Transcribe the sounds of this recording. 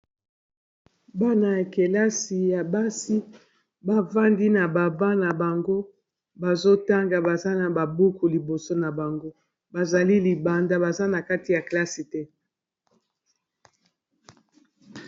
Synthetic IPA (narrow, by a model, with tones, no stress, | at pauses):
ba˦na˨ja˨ke˨la˦si˨ja˨ba˦si˦ | ba˦va˦ndi˦na˨ba˨ba˦na˨ba˨ŋɡo˦ | ba˨zo˦ta˦ŋɡa˨ba˨za˦na˨ba˨bu˦ku˨li˨bo˨so˦na˨ba˨ŋɡo˦ | ba˨za˨li˦li˨ba˨nda˦ba˨za˦na˨ka˦ti˨ja˨kla˦si˨tɛ˦